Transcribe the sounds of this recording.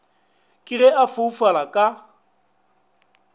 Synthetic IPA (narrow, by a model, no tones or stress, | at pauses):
kʼɪrɛafʊfalakʼa